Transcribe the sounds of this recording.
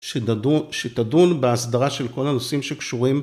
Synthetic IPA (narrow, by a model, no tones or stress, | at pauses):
ʃet̪adunbeasd̪aʁaʃe̞lko̞lanosimʃekʃuʁim